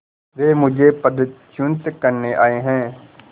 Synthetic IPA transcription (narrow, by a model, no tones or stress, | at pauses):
ɾeːmʊd͡ʒʱepəd̪ːət̪t͡ʃʊ̃nt̪kəɾneʔaːeɦɛ̃ː